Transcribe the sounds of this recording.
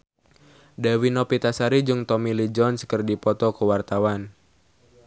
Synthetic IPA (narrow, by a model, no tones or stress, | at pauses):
dawinɔpit̪asaɾid͡ʒuŋt̪ɔmilid͡ʒɔnskərdipɔt̪ɔkuwart̪awan